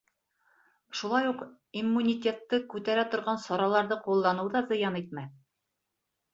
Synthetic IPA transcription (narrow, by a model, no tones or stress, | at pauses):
ʃulˠɑjuq | imːunʲitʲe̞t̪ːɤkʉt̪æɾæt̪ŏɾʁɑnsɒɾɑlˠɑɾðɤqulˠːɑnɤ̆wðɑzɤ̆jɑnit̪̚mæ